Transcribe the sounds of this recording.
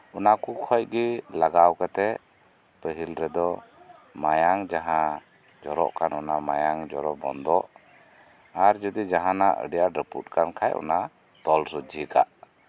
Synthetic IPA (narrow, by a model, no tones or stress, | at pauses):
ɔnakukʰɔj̚ɡɛlaɡawkat̪ɛ | pəɦilɾɛd̪ɔ | majaŋd͡ʒaɦã | d͡ʒɔɾɔ̰ʔkanɔnamajaŋd͡ʒɔɾɔbɔnd̪ɔʔ | aɾd͡ʒɔd̪id͡ʒaɦanaʔə̰ɖijaɾəpṵt̚kankʰajɔ̰na | t̪ɔlsɔd͡ʒika̰ʔ